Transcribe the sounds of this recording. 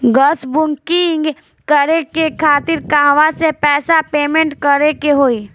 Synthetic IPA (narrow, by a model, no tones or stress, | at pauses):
ɡəsbʊŋkiŋɡ | kəɾekekʰaːt̪ɪɾkãːʋasepɛːsapeːmẽɳʈkəɾekeɦoːi